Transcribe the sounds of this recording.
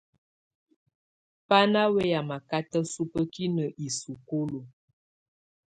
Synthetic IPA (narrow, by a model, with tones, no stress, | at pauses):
pa˦na˦wɛ˦ja˨ma˨ka˦tə˦su˦pə˦ki˦nə˨ʔi˨su˨ko˦lo˨